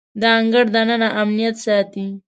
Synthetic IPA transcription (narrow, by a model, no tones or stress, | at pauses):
d̪əaŋɡəɽd̪anənaʔamnijat̪sɑt̪i